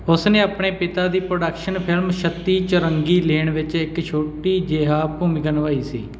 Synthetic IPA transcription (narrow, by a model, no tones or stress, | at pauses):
ʊsneːaːpɳeːpɪt̪aːd̪iːpɾoːɖəkʃənpʰɪlmʃət̪ːiːt͡ʃəɾəŋɡiːleːɳʋɪt͡ʃɪkt͡ʃʰoːʈiːd͡ʒeɦaːpuːmɪkənʋaːiːsḭː